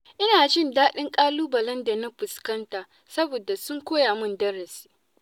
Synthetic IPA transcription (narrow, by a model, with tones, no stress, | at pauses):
ʔɪ˦naː˨d͡ʒɪ˦ndaː˦ɗɪ˦ŋkʼaː˦luː˦bɐ˨lɐ˦nda˨na˦ɸʊ˨skɐ˦ntaː˨ | sɐ˦boː˨da˨sʊ˦ŋkʷoː˦jaː˨mʊ˦˨ndɐ˦ɽɐ˨si̥ː˦